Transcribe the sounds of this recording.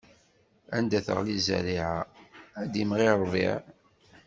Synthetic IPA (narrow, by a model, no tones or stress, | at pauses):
ænd̪æθə̰ʁlizæ̰ɾiʕaæd̪imʁiɾˤvḭʕ